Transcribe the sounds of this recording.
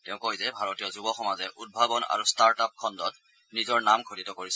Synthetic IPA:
tɛʊ̃koɦizɛbʱaɹɔtijɔzubɔxɔmazɛʔud̚bʱabɔna̰ɹustaɹtap̚kʰɔndɔt | nizɔɹnamkʰoditɔkoɹisɛ

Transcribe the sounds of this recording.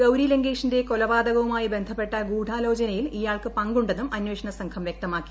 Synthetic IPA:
ɡɐwɾileŋɡeːʂinde̞kolɐʋaːd̪ɐɣɐʋumaːjibe̞nd̪ʱɐpːe̞ʈːɐɡuːɖʱaːlo̞ːd͡ʑɐnɐjilijaːɭkɨpɐŋɡuɳɖe̞nːumɐnweːʂɐɳɐsɐŋkʰɐmʋjek̚t̪ɐmaːkːi̥

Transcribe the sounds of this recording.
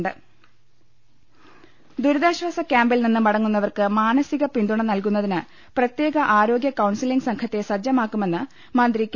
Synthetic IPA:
ɳɖɨ | d̪uɾuðaːɕʋaːsɐkʲaːmbilninːɨmɐɽɐŋːunːɐʋɐrkɨmaːnɐsiɣɐpind̪uɳɐmnɐlkunːɐðinɨ | prɐt̪je̞ːɡɐʔaːɾo̞ːɡjɐkɐwɳsiliŋɡsɐŋkʰɐt̪ːe̞sɐd͡ʑjɐmaːkːume̞nːɨ | mɐnd̪rikʲː

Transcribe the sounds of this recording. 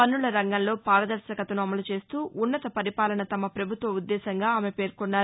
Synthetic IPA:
pɐnːuɭɐɾɐŋɡɐnlo̞ːpaːɾɐd̪ɐɾʃɐkɐt̪ɐnuɐmɐlut͡ʃe̞ːst̪uːʔunːɐt̪ɐpɐɾipaːlɐnɐt̪ɐmɐpɾɐbʱut̪ʋɐud̪ːɛːsɐŋɡaːaːme̞pe̞ːɾkunːaːɾ

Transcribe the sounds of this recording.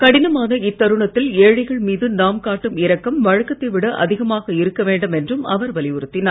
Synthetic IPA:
kɐɽɪnɐmaːnɐɪt̪ːɐɾɯɳɐt̪ːɪleːɻɐɪɣɐɭmiːðɯnaːmkaːʈːɯmɪɾɐkːɐmʋɐɻɐkːɐt̪ːɐʋɪɽɐʔɐ̰ðɪɣɐmaːɣɐɪɾɯkːɐʋeːɳɖɐmɛndrɯmɐ̰ʋɐɾʋɐlɪʊɾɯt̪ːɪnaː

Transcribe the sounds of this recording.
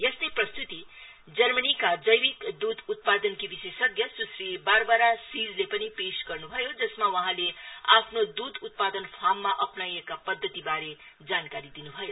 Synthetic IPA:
jest̪ʌjprʌst̪ut̪i | d͡zʌrmʌnikad͡zʌjwikd̪ud̪ʱut̪̚pad̪ʌnkibisesʌɡjʌsusɾibaɾbaɾasid͡zlepʌnipesɡʌrnubʱʌjod͡zʌsmawʌɦãleapʰnod̪ud̪ut̪̚pad̪ʌnpʰamːaʔʌpnajekapʌd̪ʱːʌt̪ibaɾe | d͡zankaɾid̪inubʱʌjo

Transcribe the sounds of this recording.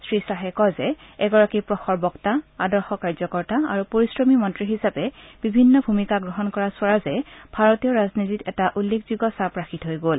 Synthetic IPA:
sɹisaɦɛkɔzɛ | ɛɡɔɹakipɹɔxɔɹbɔktaadɔɹxɔkaɹzɔkɔɹtaa̰ɹupoɹisɹɔmimɔntɹiɦisapɛb̥ibʱinːɔbʱumikaɡɹɔɦɔnkɔɹasʊaɹazɛb̥ʱaɹɔtijɔɹaznititɛtaʔulːekz̥iɡɔsapɹaxitɦojɡol

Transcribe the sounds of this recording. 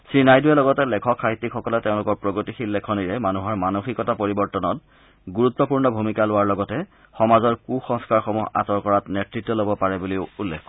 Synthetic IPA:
sɹinajduɛlɔɡɔtɛlɛkʰɔkʰːaɦitːikxɔkɔlɛteʊ̃lʊkɔɹpɹoɡotixilːɛkʰɔniɹɛmanuɦɔɹmanoxikɔtapoɹibɔɹtɔnɔt | ɡuɹutːɔpuɹnɔbʱumikalʊwaɹlɔɡɔtɛ | xɔmazɔɹkuxɔ̃ŋskaɹxɔmuɦa̰sɔɹkɔɹatnɛtɹitːɔlobɔpaɹɛbuliʊulːḛkʰkɔ

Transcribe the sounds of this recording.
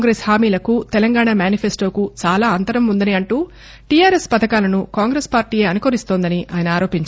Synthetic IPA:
ŋɡɾeshaːmiːlɐkut̪ɛlɐŋɡaːɳaːmjaːnipʰesʈoːkut͡ʃaːlaːɐnt̪ɐɾɐmund̪ɐniɐɳʈuː | ʈijaːɾespɐt̪ɐkaːlɐnukaːŋɡɾespaːɾʈiːje̞ːɐnukoɾist̪oːnd̪ɐniʔa̰ːjɐnɐaːɾo̞ːpiɲt͡ʃ

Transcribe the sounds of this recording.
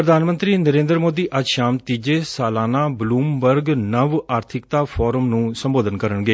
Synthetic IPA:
pɾəd̪ʱaːnmənt̪ɾiːnəɾẽːnd̪ɾəmoːd̪iːʔəd͡ʒʃaːmt̪iːd͡ʒeːsaːlaːnaːbluːmbəɾɡnəʋaːɾt̪ʰɪkt̪aːpʰɔːɾəmnũːsəmboːd̪ənkəɾənɡeː

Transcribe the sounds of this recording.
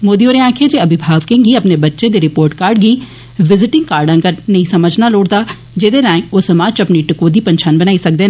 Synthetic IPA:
moːd̪iːoːɾẽãːkʰeːd͡ʒeːəbɪbʱaːʋkẽːŋɡiːəpneːbətːʃeːd̪eːɾɪpoːɾʈkaːɾɖɡəiː | ʋɪzɪʈɪ̃ŋɡkaːɾɖə̃ŋɡəɾnəĩːsəməd͡ʒnaːloːɽd̪aː | d͡ʒeːd̪eːnãːẽoːsəmaːt͡ʃəpniːʈɪkoːd̪iːpənt͡ʃʰaːnbənaːiːsək̚d̪eːn

